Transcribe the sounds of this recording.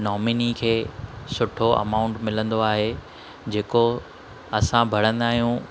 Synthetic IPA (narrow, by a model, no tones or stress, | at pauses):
nɔːminikʰeːsʊʈʰoʔɐ̰maːʊ̃ɳʈmɪlə̃nd̪oaːɦe | d͡ʑeːko | ɐsãbʱɐɽ̤ə̃nd̪aːɦijũ